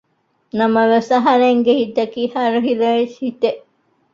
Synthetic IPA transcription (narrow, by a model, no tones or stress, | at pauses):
nɐmɐʋesɐɦɐɾeŋɡehit̪ɐkiːhɐɾuɦilɐeshit̪eʔ